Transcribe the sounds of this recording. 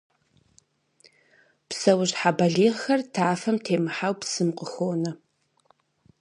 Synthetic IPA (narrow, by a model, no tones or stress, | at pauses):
psɐwʊʑħabɐɮiːʁxɐrtʰaːfɐmtʰeːmɨħawpsɨmqʷʼəxoːnɐ